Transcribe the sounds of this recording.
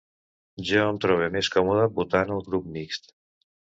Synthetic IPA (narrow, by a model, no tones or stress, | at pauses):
ʒeɔnt̪ɾɔβemeskɔmuðəbut̪anəlˠɣɾup̚mikst̪